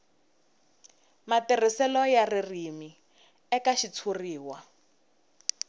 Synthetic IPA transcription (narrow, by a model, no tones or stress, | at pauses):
mater̤isɛlɔjaririmi | ɛkaʃit͡sʰuriːwa